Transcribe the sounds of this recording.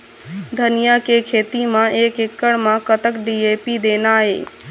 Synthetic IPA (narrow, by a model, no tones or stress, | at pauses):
d̪ʱənɪjakekʰeːt̪imãʔeːkɪkːəɽmãkət̪əkɖieːpid̪eːnaːɦḛː